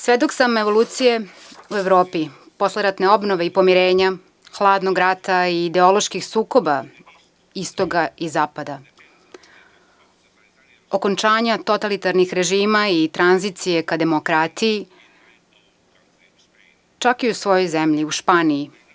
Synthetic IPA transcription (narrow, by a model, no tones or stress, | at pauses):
sʋed̪oksameʋo̞lˠuːt̪sije | ue̞ʋɾo̞ːpi | po̞sleɾat̪ne̞o̞bnoʋe̞ipo̞miɾe̞ːɲa | xlˠaːd̪noɡɾat̪aiːd̪e̞o̞lo̞ʃkixsuːko̞ba | ist̪oɡaizaːpad̪a | o̞ko̞nt͡ʃaːɲat̪o̞t̪alit̪aɾnixɾe̞ʒiːmait̪ɾanzit̪sije̞kad̪e̞mokɾat̪iji | t͡ʃakiusʋo̞jo̞jzemʎiuʃpaːniji